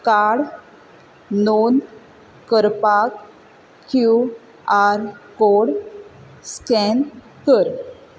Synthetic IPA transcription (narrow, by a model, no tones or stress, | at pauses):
kaɽ | non | kəɾpakː | ju | aɾkoɽ | skɛn | kəɾ